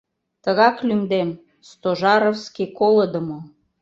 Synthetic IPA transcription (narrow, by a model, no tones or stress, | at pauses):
t̪əɣɑklymd̪em | st̪oʒɑɾofskikoləd̪əmo